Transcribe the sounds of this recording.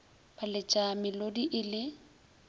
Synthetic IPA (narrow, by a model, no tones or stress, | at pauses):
bʼalɪt͡ʃʼamɪlodiʔɪlɪ